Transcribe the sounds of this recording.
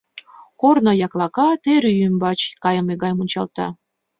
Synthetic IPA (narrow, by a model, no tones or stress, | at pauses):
kornojɑklɑkɑt̪eɾyjymbɑt͡ɕkɑjə̆meɡɑjmunʲt͡ɕɑ̰lt̪ɑ̰